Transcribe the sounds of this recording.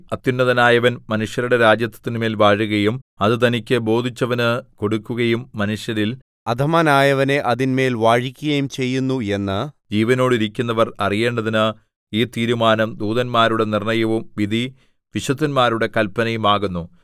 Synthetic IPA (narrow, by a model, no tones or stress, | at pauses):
ɐt̪ːjunːɐðɐnaːjɐʋɐnmɐnuʂjɐɾuɽe̞ɾaːd͡ʑjɐt̪ːɐt̪ːinme̞ːlʋaːɻuɣɐjumɐðɨt̪̬ɐnikʲːɨbo̞ːd̪ʱit͡ɕːɐʋɐnɨko̞ɽukːuɣɐjumːɐnuʂjɐɾil | ɐd̪ʱɐmaːnaːjɐʋɐne̞ʔɐðinme̞ːlʋaːɻikʲːuɣɐjumt͡ɕe̞jːunːue̞nːɨd͡ʑiːʋɐno̞ːɽiɾikʲːunːɐʋɐrɐrije̞ːɳɖɐðinɨ | iːt̪iːɾumaːnɐmd̪uːðɐnmaːɾuɽe̞nirɳɐjɐʋumʋid̪ʱi | ʋiɕɐt̪ːɐnmaːɾuɽe̞kɐlpːɐnɐjumaːɣunːu